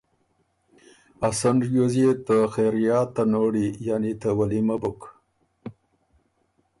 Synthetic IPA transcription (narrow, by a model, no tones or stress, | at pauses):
asaɳɖjozet̪əxeɾjɑt̪anoɽijanit̪əwalimabʊk